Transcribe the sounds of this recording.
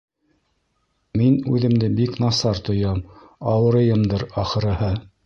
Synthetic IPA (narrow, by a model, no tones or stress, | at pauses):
minʉðɘ̆md̪ɘbiknɑsɑɾt̪ŏjɑm | ɑwɤ̆ɾɤ̆jɤmd̪ɤɾɑχɤ̆ɾɤ̆hɤ